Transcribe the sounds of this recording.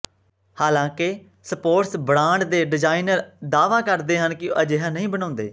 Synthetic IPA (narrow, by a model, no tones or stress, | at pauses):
haːlãːkɪ | səpoːʈsbəɽaːɳɖd̪eːɖɪd͡ʒaːinəɾd̪aːʋãːkəɾd̪eːɦənkɪoʔəd͡ʒeːɦãːnəɦĩːbənãːnd̪ḛː